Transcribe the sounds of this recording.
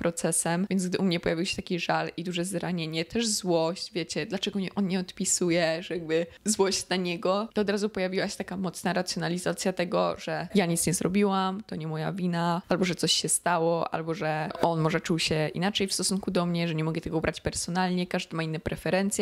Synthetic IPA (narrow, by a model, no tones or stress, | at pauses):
pɾɔt̪sɛsɛmvʲjɛnɡd̪ɘʔumɲɛpɔjavʲiwɕɛ̥t̪akʲiʐalid̪uʐɛzɾaɲeɲɛt̪ʰɛʐzwɔɕt͡ɕvʲjet͡ɕɛd̪lat͡ʂɛɡɔɲɛʔɔnɲɛɔt̪pʲisujɛʐɛjaɡ̚bɘzwɔɕt͡ɕnaɲɛɡɔt̪ɔɔd̪ɾazupɔjavʲiwaɕɛ̥t̪akamɔt̪snaɾat̪sʲjɔnalʲizat̪sʲjat̪ɛɡɔ̰ʐ̥ɛjaɲit̪sɲɛzɾɔbʲiwamt̪ɔɲɛmɔjavʲinaalbɔʐɛt̪sɔɕɕɛst̪awɔʔa̰lbɔʐɛɔnmɔʐɛt͡ʂuwɕɛḭnat͡ʂɛjfst̪ɔsunkud̪ɔmɲɛʐɛɲɛmɔɡɛt̪ɛɡɔubɾat͡ɕpɛɾsɔnalɲɛkaʐd̪amainːɛpɾɛfɛɾɛnt̪sʲjɛ